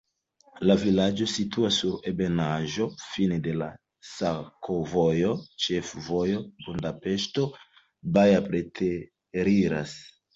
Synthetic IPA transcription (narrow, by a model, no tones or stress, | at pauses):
lavilad͡ʒo̞situasːuɾebe̞naʒo̞finede̞la̰ | sakʰovojo̞t͡ʃe̞fvo̞jo̞bundape̞ʃto̞ | bajapɾetʰe | ɾiɾas